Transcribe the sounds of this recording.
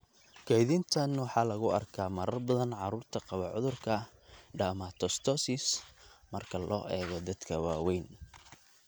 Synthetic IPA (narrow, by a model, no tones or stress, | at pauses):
kʰɛjðɪnt̪ʰɐnwɑħɑːlɐɣʊɐ̰rkʰaːmɐɾɐrbɐðɐnʕɑɾuːrt̪ʰɐqɑβɑʕʊðʊrkʰɐɖaːmat̪ʰɔst̪ʰɔsɪsmɐrkʰɐlʔɔ̰ːʔɛːɣɔd̪ɐd̪kʰɐwɑːwɛjn